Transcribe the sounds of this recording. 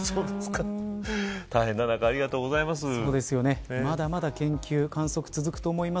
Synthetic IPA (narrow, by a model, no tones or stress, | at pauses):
sooːd̪esɨ̥ka | t̪aɦẽ̞nːanakaːɾʲiɡat̪o̞ːɡozaimas̬ɨso̞ːd̪e̞sɨjo̞ne̞mad̪amad̪akẽ̞ŋkʲɨːkãɰ̃so̞kɯ̟̥t͡sɨzɨkɯ̟̥t̪o̞ːmo̞ima